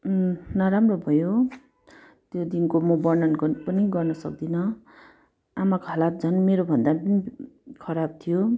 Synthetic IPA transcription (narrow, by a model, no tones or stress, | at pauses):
nʌɾamrobʱʌjo | t̪jod̪inkomʌbʌrnʌnpʌniɡʌrnʌsʌk̚d̪inʌ | amakoɦʌlat̪̚d͡zʱʌnmeɾobʱʌnd̪apʌnikʰʌɾab̚t̪ʰijo